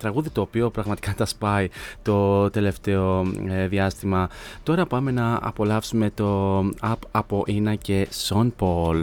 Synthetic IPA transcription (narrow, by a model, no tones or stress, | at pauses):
t̪ɾɐɣuðit̪o̞ːpio̞pɾɐɣmɐt̪i̥kɐt̪ɐspɐit̪o̞t̪e̞le̞ft̪e̞o̞ðiɐst̪imɐt̪o̞ɾɐpɐme̞nɐɐ̰po̞lɐfsume̞t̪o̞ɐpɐpo̞ʔinɐce̞sonpol